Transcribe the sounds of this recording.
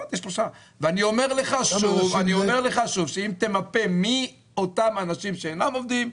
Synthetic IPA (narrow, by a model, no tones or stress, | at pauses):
at̪jeʃbuʃa | veanio̞me̞ʁle̞χaʃuvaniome̞ʁle̞χaʃuvʃeimt̪e̞mape̞mi | o̞t̪amanaʃimʃeenamo̞vd̪im